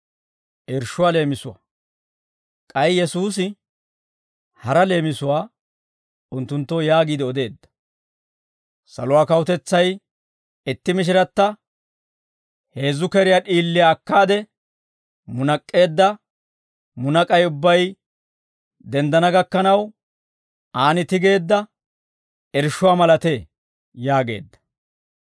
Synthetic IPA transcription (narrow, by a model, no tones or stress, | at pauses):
ʔɪɾʃʊwaːle̞ːmɪsʊwa̰ | kʼɐjjɛsuːs̬ɪ | hɐɾɐle̞ːmɪsʊwaː | ʊnt̪ːʊnt̪ːojaːɡiːd̪ɪɔd̪e̞ːd̪ːɐ̥ | sɐ̰lʊwaːkɐwʊt̪ɛt͡sːɐj | ɪt̪ːɪmɪʃ̬ɪɾɐt̪ːɐ | he̞ːzːʊkɛɾɪjaɗiːlːɪjaːkːaːd̪ɛ | mʊnɐkʼːe̞ːd̪ːɐ | mʊnɐkʼɐjʊbːɐj | d̪ɛnd̪ɐnɐɡɐkːɐnɐw | ʔaːnɪt̪ɪɡe̞ːd̪ːɐ | ɛɾʃʊwaːmɐlɐt̪e | jaːɡe̞̰ːd̪ːɐ̥